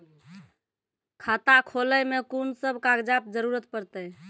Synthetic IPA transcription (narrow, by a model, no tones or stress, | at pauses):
kʰat̪akʰoləjmekunsəbkaɡd͡ʒap̚d͡ʒəɾuɾət̪pəɾt̪əj